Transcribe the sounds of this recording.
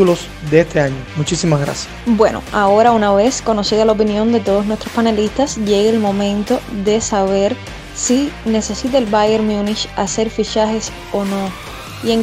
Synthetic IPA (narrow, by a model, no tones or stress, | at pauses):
ulo̞s | d̪eest̪e̞aɲomut͡ʃisimaɣɾa̰sjasbwe̞no̰ao̞ɾaunaβe̞sko̞no̞siðalaop̬injõ̞nd̪e̞t̪o̞ð̞osnwest̪ɾospanelist̪asʝe̞ɣeːlmõ̞mẽ̞nt̪o̞ðe̞saβe̞ɾ | sine̞se̞sit̪̬aelbajeɾmjunit͡ʃase̞ɾfit͡ʃahe̞s | ono̞ | ieŋ